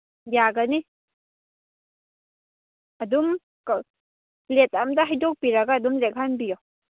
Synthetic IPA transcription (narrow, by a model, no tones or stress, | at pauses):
jaɡɐni | ɐdum | k | let̚amdɐɦajdok̚piɾɐɡaːdumlek̚ɦanbijɔ